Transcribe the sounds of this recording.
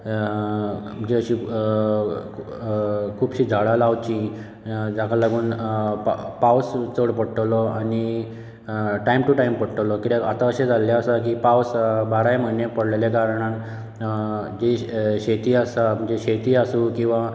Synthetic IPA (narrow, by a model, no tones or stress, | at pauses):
m̤ə̃ɳd͡ʑeəɕi | kʰuːbɕiːd͡zʱaɽalaʋt͡ɕĩ | d͡zakalaɡuːn | pawst͡soɽpəɽʈ̪əlɔani | ʈaimʈuʈaimpəɽʈəlɔkit̪akat̪aəɕed͡zʱaljaəsak̬ipawsbaɾajməɦinepəɽlelekaɾɳan | d͡ʑeɕet̪iːasam̤əɳd͡ʑeɕet̪iːasukĩw̃ʋa